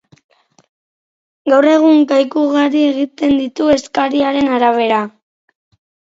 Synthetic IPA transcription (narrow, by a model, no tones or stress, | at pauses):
ɡawre̞ɣ̞uŋkajkuɣaɾie̞ɣit̪e̞nd̪it̪ue̞skaɾiaɾe̞naɾaβ̞e̞ɾa